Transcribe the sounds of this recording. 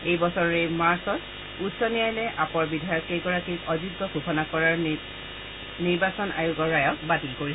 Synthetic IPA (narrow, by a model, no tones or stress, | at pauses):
ejbɔsɔɹɔɹejmaɹsɔt | utsɔnijajlɛʔapɔɹbidʱajɔkejɡɔɹakiɔdiɡːɔɡʱuxɔnakɔɹaɹ | niɹbasɔnʔa̰juɡɔɹajɔkbatilkoɹis